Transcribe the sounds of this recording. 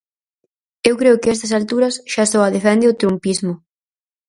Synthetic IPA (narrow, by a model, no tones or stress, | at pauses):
ewkɾeʊkɪɛst̪ɐs̬alt̪uɾɐsʃasɔɐðefɛnd̪ɪʊt̪ɾumpizmʊ